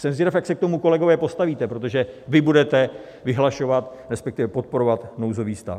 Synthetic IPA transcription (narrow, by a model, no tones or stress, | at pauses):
sɛmzɪɾafjaksɛk̚t̪o̞muko̞lɛɡo̞vɛːpo̞st̪aviːt̪ɛpɾo̞t̪o̞ʒɛvɪbudɛt̪ɛ | vɪɦlaʃo̞vat̪ɾɛspɛk̚t̪ɪvɛpo̞t̪̚po̞ɾo̞vat̪nowzo̞viːst̪a̰